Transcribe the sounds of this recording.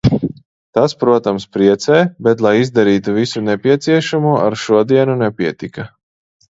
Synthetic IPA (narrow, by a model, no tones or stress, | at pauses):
t̪aspɾuɔt̪amspɾiɛt̪sɛːbɛt̪lˠajizd̪aɾiːt̪uvisunepiɛt̪siɛʃamuɔʔaɾʃuɔd̪iɛnunɛpʲiɛt̪ika